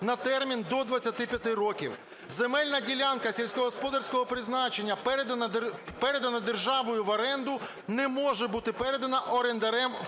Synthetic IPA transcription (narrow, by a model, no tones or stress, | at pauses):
nɐt̪ɛrmʲind̪ɔd̪ʋɐt͡sʲːɐt̪ɪpʲjɐt̪ɪɾɔkʲḭw | zemɛlʲnɐdʲilʲankɐsʲilʲsʲkɔɦɔspɔd̪ɐrʲsʲkɔɦɔpɾɪznɑt͡ʃe̞nʲːɐpɛɾed̪ɐɐpɛɾed̪ɐnɐd̪erʒɑʋɔjʊʋɐɾɛnd̪ʊ | nɛmɔʒɛbut̪ɪpɛɾed̪ɐnɐʔɔɾend̪ɐɾɛm